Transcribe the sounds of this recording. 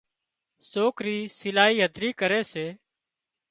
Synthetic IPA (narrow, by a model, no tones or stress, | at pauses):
soːkɾiːsɪlaːɦiːɦəd̪ɾiːkəɾeːseː